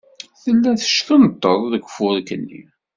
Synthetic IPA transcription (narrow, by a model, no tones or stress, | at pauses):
θəlːæθə̥ʃkənt̪ˤːəðˤðəɡfʊɾkːənːḭ